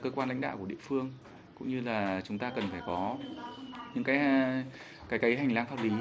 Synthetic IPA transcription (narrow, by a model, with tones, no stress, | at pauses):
kəː˧kwaː˧nla̰˧˥ŋ̟ɗa̰ː˧˨kə˨ḭ˧˨fɨ˧əŋ | kʊ̰˧˥ŋ͡mɲɨ˧laː˨˩t͡ɕʊ˨˦ŋ͡mt̪aː˧kə˨˩nfaː˧˩jkɔ˨˦ | ɲɨ̰˧˥ŋkaː˨˦j | kaː˨˦jkaː˨˦jɦa˨˩ŋ̟laː˧nfaː˧wli˨˦